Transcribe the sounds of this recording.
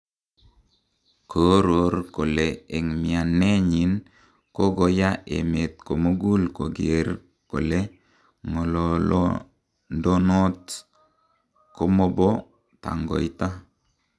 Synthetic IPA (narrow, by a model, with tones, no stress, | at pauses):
kʰo˨˦ɾo˨ɾko˨le˨e˨ŋmi˨a˨nːe˦ɲi˨n | ko˦ɡo˨ja˦ʔḛ˨me˨t̪̚ko˨mo˦ɡu˦lko˨ɡee˨ɾ | ko̰˨le˦ | ŋo˨lo˨lo̰˦ | ndo˦no˦t | ko˦mo˦bo˦ | ta̰˨ŋɡo̰˨jta˦